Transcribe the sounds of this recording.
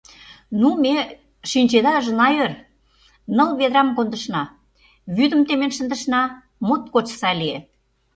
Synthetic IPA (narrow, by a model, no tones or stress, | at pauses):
nume | ʃinʲt͡ɕed̪ɑʒənɑjør | nəlβed̪ɾɑmkond̪ə̆ʃnɑ | βyd̪ə̆mt̪emenʃə̆nd̪ə̆ʃnɑ | mot̪̚kot͡ɕsɑlie